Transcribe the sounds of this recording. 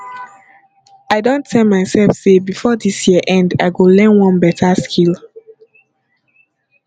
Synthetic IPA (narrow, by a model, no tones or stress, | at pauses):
aɪdõnttʰːɛlmaɪsɛlfsebifɔdisjiəʔɛ̃ndaɪɡolɛ̃nwɔ̃nbɛtʰaskʰil